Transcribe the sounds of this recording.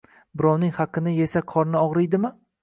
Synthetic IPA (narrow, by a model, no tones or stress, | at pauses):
bɪɾɒwnɪŋhɑqʰːɨnɪje̞saqʰɒɾnɪɒʁɾɪjd̪ɪmɪ